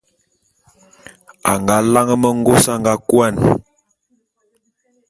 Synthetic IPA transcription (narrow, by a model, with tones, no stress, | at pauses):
a̰˨ŋɡa˨˦la˦ŋə˦mə˦ŋ˦ɡo˦sa˦ŋɡa˨˦kwa˦˨n